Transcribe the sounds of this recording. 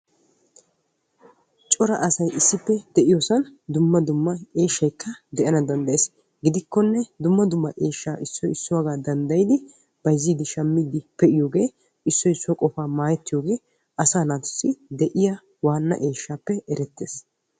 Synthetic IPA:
t͡ʃʼɔɾɐ̰ʔɐsɐjʔɪsːɪpːɛd̪̥ɛʔɪjoːsɐnd̪ʊmːɐd̪ʊmːɐeːʃːɐjkʰːɐd̪ɛʔɐnɐd̪ɐnd̪ɐʔjeːs | ɡɪd̪ɪkːɔnːɛd̪ʊmːɐd̪ʊmːɐʔeːʃːaːʔɪsːɔjɪsːʊwaɡaːd̪ɐnd̪ɐjɪd̪ɪ | b̥ɐjzːiːd̪ɪʃɐmːiːd̪ɪpɛʔɪjo̞ːɡe̞ː | ɪsːɔjɪsːʊwɐkʼɔfaːmaːjɛt̪ːɪjo̞ːɡe̞ː | ʔɐsaːnaːt̪ʊ̥sːɪd̪ɛʔɪja | waːnːɐ̰ʔeːʃːaːpːɛɛɾɛt̪ːe̞ːs

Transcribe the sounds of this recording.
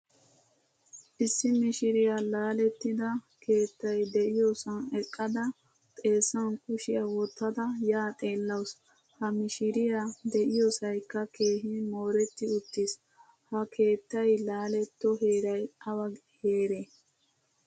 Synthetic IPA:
ʔɪsːɪmɪʃɪɾɪjalaːlɛt̪ːɪd̪ɐ | kʰe̞ːt̪ːɐjd̪ɛʔɪjosɐnɛkʼːɐd̪ɐ | t̪ʼe̞ːsːɐnkʊʃɪjɐwɔt̪ːɐd̪ɐjaːt̪ʼe̞ːlːɐws | hɐmɪʃɪɾɪjad̪ɛʔɪjɔsɐjkːɐke̞ːɦɪmo̞ːɾɛt̪ːɪʊt̪ːɪs | hɐkʰe̞ːt̪ːɐjlaːlɛt̪ːɔɦeːɾɐjɐwɐ | he̞ːɾe

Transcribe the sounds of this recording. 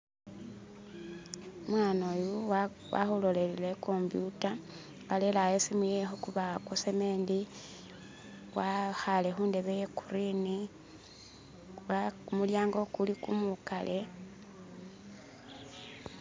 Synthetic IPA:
mwaːnoju | wa̰xulo̞lelilekʰo̞mbjuta | alelajesimijexokuβakosemeːndi | waxale̞xuːnde̞βejeku̥ɾini | wakumuljaːŋɡo̞kulikumukalʔe

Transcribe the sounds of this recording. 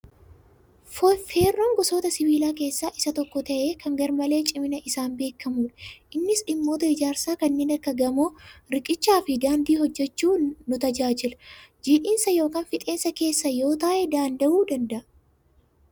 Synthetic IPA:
feːrːoːŋɡɔso̞ːt̪ɐsɪβiːlaːke̞ːsːaːʔɪsɐt̪ɔkːɔt̪ɐʔe̞ːkɐŋɡɐɾmɐle̞ːt͡ʃʼɪmɪnɐʔɪsaːnbe̞ːkʰːɐmuːᶑʔɪnːɪsɗɪmːo̞ːt̪ɐɪd͡ʒaːɾsaːkɐnːe̞ːnɐkːɐɡɐmoːɾɪkʼɪt͡ʃːaːfɪd̪aːnd̪iːhɔd͡ʒːɛt͡ʃːuːnʊt̪ɐd͡ʒaːd͡ʒɪlɐd͡ʒiːᶑɪːnsɐjo̞ːkaːnfɪt̪ʼe̞ːnsɐke̞ːsːɐjo̞ːt̪aːʔɛd̪aːnd̪ɐʔuːd̪ɐnd̪ɐʔɐ

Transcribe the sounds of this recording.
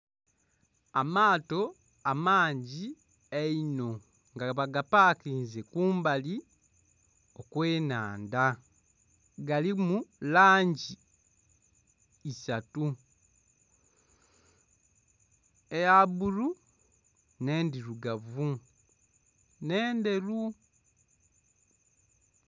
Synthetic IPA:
amaːto̞ | amaːɲɟi | eino̞ | ŋɡaβaɡapaːkiːnzekuːmbali | okwe̞ːnaːnda | ɡalimulaːɲɟi | satu | ejaβuɾu | ne̞ːndiɾuɡavu | ne̞ːnde̞lu

